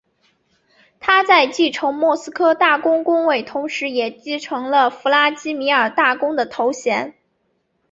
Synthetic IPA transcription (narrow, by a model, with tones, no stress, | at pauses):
t̪ʰa˥t͡sa˥˧ɪt͡ɕi˥˩ʈ͡ʂʰɤ˧˥ŋmwɔ˥˩sɹ̩˥kʰɤ˥t̪a˥˩kʊ˥ŋkʊ˥ŋwe˥˩ɪt̪ʰʊ˧˥ŋʂɻ̩˧˥jɛ˨˩t͡ɕi˥˩ʈ͡ʂʰɤ˧˥ŋlə˧fu˧˥la˥t͡ɕi˥mi˧˥ə˞˨˩t̪a˥˩kʊ˥ŋd̪ə˨t̪ʰo˧˥ʊɕjɛ˧˥n